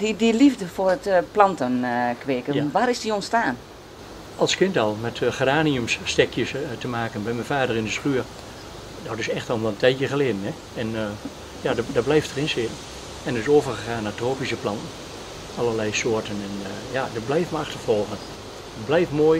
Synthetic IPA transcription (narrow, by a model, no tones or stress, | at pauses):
didilivdəfʊrətplɑntənkʋɪːkənʋaːɾɪsdionstaːn | ɑlˠskɪntɔlˠmɛtχadaːniəmsːtɛkʰjəstəmaːkənbɛjmɛnfaːdərɪndəsχyər | dɔtɪsɛxtɔlˠʋɛlˠəntʰɛjtjəχəlɪdənɛ | ɛn | jaddɔblɛjftərɪnsɪt | ɛndərɪsoːvərχəχaːnːatroːpisəplɑntn̩ | ɑlˠəlɛjsoətənɛn | jadɔblɛjfməaxtərfɔlˠɣən | əblɛjfmoəj